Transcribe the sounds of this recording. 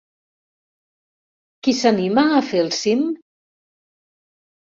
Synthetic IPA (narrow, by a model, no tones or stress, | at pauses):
kisanimaːfelˠsim